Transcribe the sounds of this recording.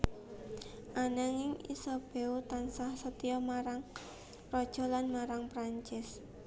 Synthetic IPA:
ʔanaŋɪŋḭsɔb̥eut̪ansahsət̪iɔmaɾaŋ | pɾɔd̥ʒ̥ɔ̤lanmaɾaŋpɾaɲt͡ʃɪs

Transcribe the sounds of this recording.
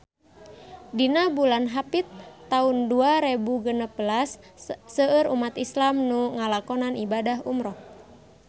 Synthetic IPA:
dinabulanɦapit̪ːaunduaɾebuɡənəbəlasːəəɾumat̪islamnuŋalakɔnanibadaɦumɾɔh

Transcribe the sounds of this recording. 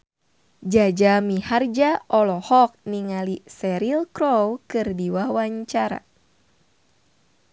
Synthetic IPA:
d͡ʒad͡ʒamihard͡ʒaʔɔlɔhɔk̚niŋalisɛɾilkɾowkɨrdiwawaɲt͡ʃaɾa̰

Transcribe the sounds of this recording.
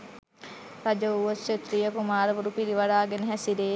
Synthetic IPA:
ɾad͡ʒəuʋəsʃet̪ɾijəkumaːɾəʋuɾupiɾiʋaɖaːɡenəɦæsiɾeː

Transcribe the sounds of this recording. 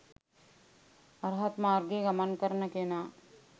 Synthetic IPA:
ɐɾɦət̪maːɾɡeɡɐmənkɐɾnəkeːnaː

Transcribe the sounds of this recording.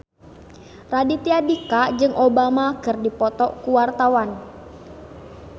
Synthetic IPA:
radit̪iadikad͡ʒɨŋʔobamakɨrdipɔt̪ɔʔkuwart̪awan

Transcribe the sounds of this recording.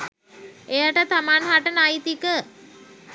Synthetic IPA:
ejaʈət̪amanɦaʈənajt̪ikə

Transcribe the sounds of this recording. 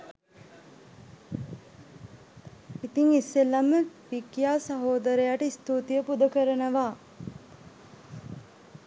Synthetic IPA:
it̪iŋisːelːaməʋikjaːsaɦoːd̪əɾəjaʈəist̪uːt̪ijəpud̪əkəɾənəʋaː

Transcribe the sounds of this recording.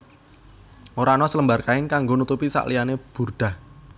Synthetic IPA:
ʔoɾanɔsələmbarkaɪŋkaŋɡonut̪upisa̰ʔlijaneb̥ṳrɖ̪̥a̤h

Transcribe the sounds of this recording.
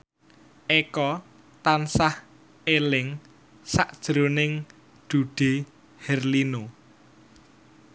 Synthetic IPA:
ʔekɔ | t̪ansah | elɪŋ | sa̰ʔd̥ʒ̥ɾonɪŋ | ɖ̪̥ṳɖ̥e̤ | hɛrlino

